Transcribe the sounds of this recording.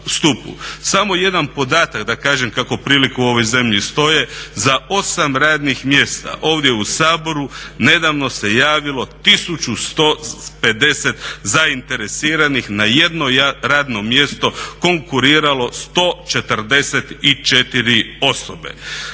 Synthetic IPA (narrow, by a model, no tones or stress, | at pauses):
st̪upṵsamo̞je̞d̪anpo̞d̪aːt̪akd̪akaːʒe̞mkako̞pɾiːlikuuo̞ʋo̞jze̞mʎist̪o̞je̞zao̞samɾaːd̪nixmje̞st̪a̰ʔo̞ːʋd̪jeusaːbo̞ɾune̞d̪aʋno̞se̞jaːʋilo̞t̪isut͡ʃust̪ope̞d̪e̞set̪zaint̪e̞ɾesiːɾanixnaje̞d̪noɾaːd̪no̞mje̞st̪o̞ko̞ŋkuɾiːɾalo̞st̪o̞ːt͡ʃe̞t̪ərd̪e̞set̪it͡ʃe̞t̪iɾio̞sobe̞̰